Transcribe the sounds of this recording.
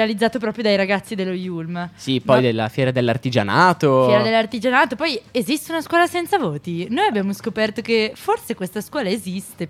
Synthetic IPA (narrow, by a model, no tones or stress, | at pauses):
ealid̪zːaːt̪opɾɔːpɾjod̪ajɾaɡat̪sːid̪elːojulmsipɔjd̪elːa̰fjɛːɾad̪elːart̪id͡ʒa̰naːt̪ofjɛːɾad̪elːart̪id͡ʒanaːt̪opɔjezist̪eunaskwɔːlasɛnt̪savoːt̪inoːjabːjaːmoskopɛrt̪okeforsekwest̪askwɔːlaezist̪e